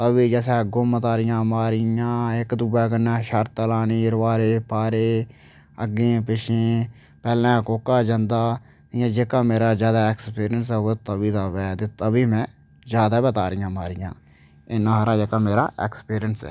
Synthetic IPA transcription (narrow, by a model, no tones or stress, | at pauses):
t̪əbiːd͡ʒɛːsɛːɡʊmət̪aːɾɪjãːmaːɾɪjãːɪkd̪ubɛːkənɛ̃ːʃəɾt̪əlaːniːɾʋaːɾeːpaːɾeː | əɡẽːpɪʃẽː | pɛːlãːkoːkːaːd͡ʒãnd̪aː | ɪjãːd͡ʒeːkaːmeːɾaːd͡ʒjaːd̪aːɛkspiːɾɪjənsɛːot̪əbiːd̪aːʋɛːt̪eːt̪əbiːmɛ̃ː | d͡ʒjaːd̪aːbət̪aːɾɪjãːmaːɾɪjã̰ː | ɪnãːɦɾaːd͡ʒeːkaːmeːɾa̰ːeːkspiːɾɪjənsɛ̰ː